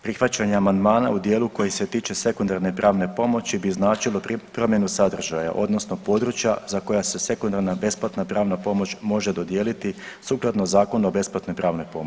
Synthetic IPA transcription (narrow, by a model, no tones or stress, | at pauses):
pɾixʋat͡ɕaɲeamand̪maːna̰ud̪je̞ːluko̞jiset̪iːt͡ʃe̞se̞kund̪aɾne̞pɾaːʋne̞po̞mo̞t͡ɕibiznaːt͡ʃilˠo̞pɾo̞mjenusad̪r̩ʒaja̰ʔo̞̰d̪nosno̞po̞d̪ɾut͡ɕjazako̞jase̞se̞kund̪aɾnabe̞splˠat̪napɾaːʋnapo̞mo̞t͡ɕmo̞ʒe̞d̪o̞d̪jeːlit̪isuklˠad̪nozaːko̞nuobe̞splˠat̪no̞jpɾaːʋno̞jpo̞mot͡ʃi